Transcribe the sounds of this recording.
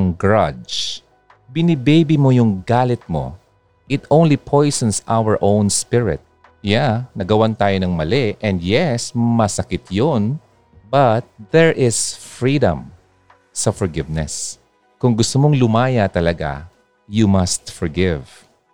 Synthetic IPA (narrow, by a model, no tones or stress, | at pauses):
ŋɡɹɐd͡ʒ | bɪnɪbejbimojʊŋɡaːlɪt̪̚mo̰ | ʔɪt̪ʔõw̃nlipʰojsənsa̰wəɹʔõwnspɪɹɪ̰t̪̚ | janɐɡɐwant̪aːjonɐŋmɐlɛʔɛ̃nd̪jɛsmɐsɐkɪt̪jon | bɐt̪̚ðɛɹʔɪsfɹiːd̪ɐ̰̃m | sɐfɔɹɡɪvnɛ̰s | kʊŋɡʊst̪omoŋlʊmaːjat̪ɐlɐɡa̰ | jumɐst̪fɔɹɡɪv